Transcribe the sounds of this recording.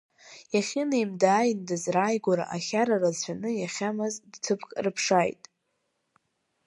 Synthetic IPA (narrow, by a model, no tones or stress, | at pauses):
jaχʲɪniimdaːjndɨzrajɡʷaɾa̰ʔaχʲaɾarat͡ɕʷʰanɨjaχʲamazdtʰɨpʰkʼrɨpʰʂajtʼ